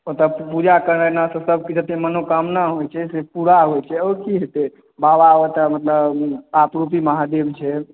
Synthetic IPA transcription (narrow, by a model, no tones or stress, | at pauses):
ot̪əpud͡ʒakəɾnənasə̃səb̚ʱkid͡ʒət̪emənokəmnaɦojt͡ʃʰɛsepuɾaɦojt͡ʃʰɛokiɦet̪ɛ | babaot̪əmət̪ləbapɾupiməɦad̪ebt͡ʃʰɛ